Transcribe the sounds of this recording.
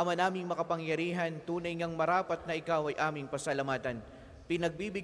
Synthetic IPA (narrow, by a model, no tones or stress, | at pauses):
ɐmɐnaːmɪŋmɐkɐpɐŋjɐɾiːɦɐnt̪uːnɐjŋɐŋmɐɾaːpɐt̪̚nɐʔɪkawɐjʔaːmɪŋpɐsɐlɐmaːt̪ɐn | pɪnɐɡ̚bibɪ